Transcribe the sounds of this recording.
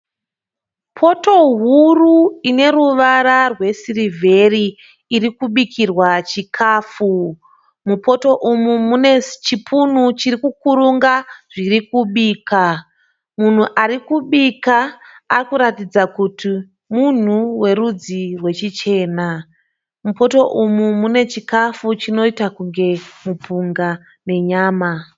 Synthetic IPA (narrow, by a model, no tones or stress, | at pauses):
pʰo̞to̞ɦuruine̞ɾuʋaɾarwe̞sirivʱe̞riː | ɾikuɓikirwat͡ʃikʰaːfu | mupʰo̞to̞ʔumumunet͡ʃipʰun̤ut͡ʃiɾikukuɾuŋɡaʐ̥irikuɓiːka | mun̤uʔaɾikuɓikaːrikuɾatid͡zakutʰi | mun̤uwe̞ɾud͡zirwe̞t͡ʃit͡ʃe̞ːna | mupo̞to̞ʔumumune̞t͡ʃikafut͡ʃino̞itakuŋɡe̞mupuŋɡa | ne̞ɲaːma